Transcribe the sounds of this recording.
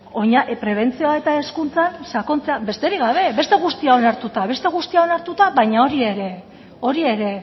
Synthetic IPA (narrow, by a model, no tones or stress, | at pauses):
o̞ɲaʔpɾe̞β̞e̞nt͡sioae̞t̪ae̞skunt͡sansako̞nt͡seabe̞st̪e̞ɾiɣɡaβ̞e̞be̞st̪e̞ɣ̞ust̪iao̞naɾt̪ut̪aβe̞st̪e̞ɣ̞ust̪iao̞naɾt̪ut̪aβajɲao̞ɾie̞ɾe̞ | o̞ɾie̞ɾe̞